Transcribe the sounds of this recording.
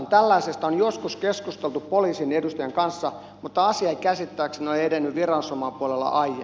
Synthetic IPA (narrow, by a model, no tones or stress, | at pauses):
nt̪ælːæisest̪onjoskuskeskust̪elt̪uppoliːsinedust̪ɑjeŋkɑnsːɑ | mut̪ːɑɑsiɑikæsit̪ːæːksnoied̪enːyʋʋirɑnsomɑːpuolelːɑ̰ʔɑijːḛ